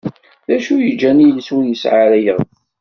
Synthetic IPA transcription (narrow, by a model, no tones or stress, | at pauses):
ðæʃujəd͡ʒːænilswjəsʕaɾæjəʁ